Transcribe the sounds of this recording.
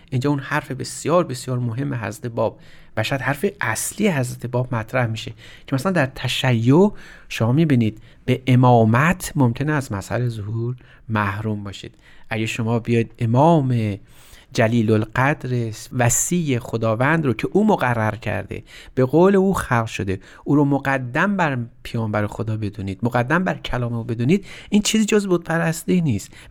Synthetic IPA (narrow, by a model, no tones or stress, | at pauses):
ʔind͡ʒɒːunhæɾfe̞be̞sjɒːɾbe̞sjɒːɾmoɦe̞mːeɦæ̰zɾæt̪ʰebɒːb̥̚ | bæʃæd̪hæɾfeʔæslijehæzɾæt̪ʰebɒːb̚mæt̪ʰɾæhmiːʃe | cʰemæslænd̪æɾt̪ʰæʃæjːoʔʃomɒːmiːbiːniːd̪ | be̞ʔemɒːmæt̪ʰmomcʲʰe̞neæzmæshæ̰lezohuːɾ | mæhɾuːmbɒːʃḭːd̪̥ | ʔæɟæʃo̞mɒːbijɒːjid̪̥emɒːme̞ | d͡ʒæliːlolɢæd̪ɾesvæsiːjːexod̪ɒːvænd̪ɾocʰe̞ʔuːmoɣærːæɾcʰæ̰ɾd̪ḛb̥e̞ɣoːle̞uːxælqʃod̪e̞ | ʔuːɾomoɡæd̪ːæmbæɾpʰejɒːmbæɾexod̪ɒːbe̞d̪uːniːd̪moɣæd̪ːæmbæɾcʰælɒːmeube̞d̪uːniːd̪̚ʔiːnt͡ʃʰiːziːd͡ʒozbod̪̥̚pʰæɾæst̪iniːst̪